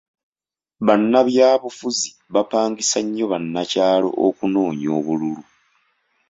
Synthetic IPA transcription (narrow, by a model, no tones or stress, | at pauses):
βanːaβjaːβufuzi | βapaːŋɡisaɲːo̞βanːacaːlo̞̰ʔokuno̞ːɲo̰ːβululu